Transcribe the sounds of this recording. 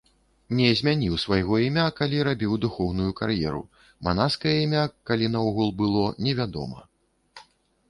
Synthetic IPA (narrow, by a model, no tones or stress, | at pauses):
nʲɛzʲmʲanʲiwsvajɣɔimʲakalʲiɾabʲiwd̪uxɔwnujuka̰rjɛ̰ɾṵ | man̪askɐjɐimʲakalʲinɐɔɣulˠbɨlˠɔnʲɛvʲad̪ɔ̰mɐ̰